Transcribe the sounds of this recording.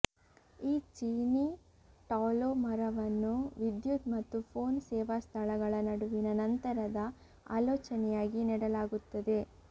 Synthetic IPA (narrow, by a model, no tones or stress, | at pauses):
iːt͡ʃiːni | ʈaːlomɐɾɐʋɐnːuʋid̪jut̪mɐt̪ːupʰo̞ːnsɛːʋast̪ʰɐlɐɡɐɭɐnɐɽuʋinɐnɐnt̪ɐɾɐd̪ɐ | a̰ːloːt͡ʃɐnɛjaːɡiniːɽɐlaːɡut̪ːɐd̪e̞